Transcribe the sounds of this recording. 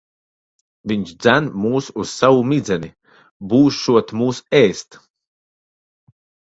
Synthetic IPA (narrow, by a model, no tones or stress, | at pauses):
viɲʃd̪zænmuːsuz̥savumid̪zɛni | buːsʃuɔt̪muːsɛːst̪